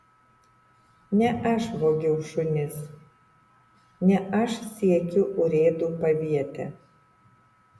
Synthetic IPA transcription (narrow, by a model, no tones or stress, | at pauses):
nʲɛʔɐʃʋoːɡʲɛʊʃʊnʲɪs | nʲɛʔɐʃsʲiɛkʲʊʔʊɾʲeːd̪uːpɐʋʲiɛt̪ʲɛ